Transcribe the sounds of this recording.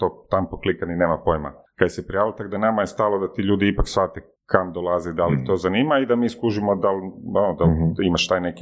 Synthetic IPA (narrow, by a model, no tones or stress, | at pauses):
t̪oːt̪ampoklˠikanine̞ːmapo̞jma̰kad̪jesepɾialt̪aɡd̪anamajest̪aːlo̞d̪at̪iʎuːd̪iipaksfat̪e | kamd̪olˠazid̪alixt̪o̞zaniːmaid̪amiːskuʒimod̪alanod̪alimaʃt̪ajneki